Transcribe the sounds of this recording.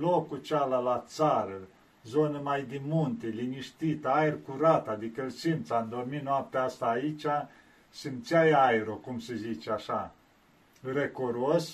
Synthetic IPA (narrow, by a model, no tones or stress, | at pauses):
lokut͡ʃalalat̪saɾə | zonəmajd̪imunt̪eliniʃt̪it̪ajrkuɾat̪ad̪ikəlsimpt̪samd̪o̞rminoap̚t̪east̪aːit͡ʃa | sɨmt̪sjajajɾokumsəzit͡ʃeaʃa | rekoɾuos